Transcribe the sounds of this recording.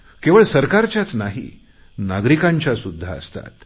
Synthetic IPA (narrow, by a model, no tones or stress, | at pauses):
keʋəɭsəɾkaɾt͡ɕjat͡snaɦḭ | naɡɾikaɲt͡ɕjasud̪ʱːaə̰st̪a̰t̪̚